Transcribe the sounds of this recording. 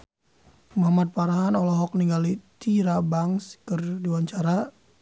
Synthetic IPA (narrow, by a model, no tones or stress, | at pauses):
mahmat̪̚paɾaɦanɔlɔɦɔk̚niŋɡalit̪iɾabaŋskərdiwaɲt͡ʃaɾa